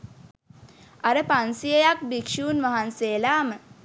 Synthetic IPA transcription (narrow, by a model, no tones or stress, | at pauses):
aɾəpansijəjak̚bikʂuːnʋaɦanseːlaːmə